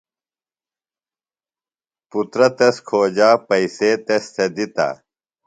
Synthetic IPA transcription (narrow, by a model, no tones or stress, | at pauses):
put̪ɾɐt̪eskʰoːd͡ʑaːpɐiseːt̪est̪ʰed̪it̪a̰ː